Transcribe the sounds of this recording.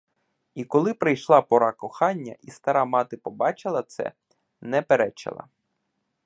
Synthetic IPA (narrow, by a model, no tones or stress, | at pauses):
ikɔlˠɪpɾɪjʃlˠɑpɔɾɑkɔxɑnʲːɐ̰ʔist̪ɐɾɑmɑt̪ɪpɔbɑt͡ʃɪlˠɐt̪sɛ̰ | nɛpeɾɛt͡ʃɪ̰lˠɐ̰